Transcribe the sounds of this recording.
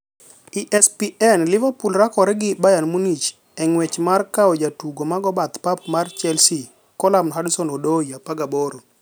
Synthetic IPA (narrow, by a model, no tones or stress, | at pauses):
iʔɛspiɛnlɪvapulɾakɔɾɛɡɪbajanmunit͡ʃ | ɛŋwɛt͡ʃmarkaod͡ʒatuɡomaɡɔbat̪papmart͡ʃɛlsi | kɔlamnɔɦadsɔnodojapaɡaboɾo